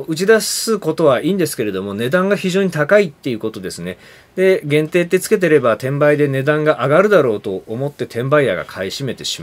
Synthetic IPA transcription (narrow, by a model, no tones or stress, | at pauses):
ɯ̟t͡ɕid̪asɨko̞t̪o̞β̞aʔiːnd̪e̞sɨ̥ke̞ɾe̞d̪o̞mo̞ne̞d̪ãŋɡaçiʑo̞ːɲ̟it̪akait̪ːe̞iɯ̟ko̞t̪o̞d̪e̞sɨne̞ | d̪̥e̞ɡẽ̞nt̪e̞ːt̪ːe̞t͡sɨ̥ke̞t̪̬e̞ɾe̞bat̪ẽ̞mbaid̪e̞ne̞d̪ãŋɡaʔaɡaɾɯ̟d̪aɾo̞ːt̪o̞ːmo̞t̪ːe̞t̪ʰẽ̞mbaiaɡa̰kʰaiɕime̞t̪e̞ɕi̥m